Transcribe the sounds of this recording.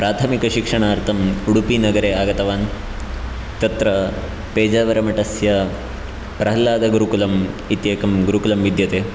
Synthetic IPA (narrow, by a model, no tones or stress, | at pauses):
pɾaːt̪ʰɐmikɐʃikʂɐɳaːɾt̪ʰɐmuɽupinɐɡɐɾeːaːɡɐt̪ɐʋaːn | t̪ɐt̪ɾɐ | peːd͡ʒaːʋɐɾɐmɐʈɐsjɐ | pɾɐɦɐlːaːd̪ɐɡuɾukulɐmit̪jeːkɐmɡuɾukulɐmʋid̪jɐt̪eː